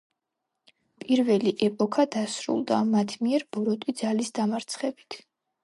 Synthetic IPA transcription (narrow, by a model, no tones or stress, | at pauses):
pʼiɾvɛliʔɛpʼɔkʰad̪asɾṵlˠd̪a̰mat̪ʰmiɛɾb̥ɔɾɔt̪ʼid̪zalisd̪amaɾt̪sʰχɛbi̥t̪ʰ